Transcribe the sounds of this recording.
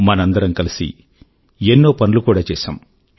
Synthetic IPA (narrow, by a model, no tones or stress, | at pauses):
mɐnɐnd̪ɐɾɐmkɐlisḭ | enːoːpɐnulukuːɽaːt͡ʃɛːsa̰ːm